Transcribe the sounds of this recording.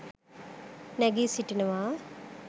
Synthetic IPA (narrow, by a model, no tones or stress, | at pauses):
nɛɡiːsiʈinɐʋaː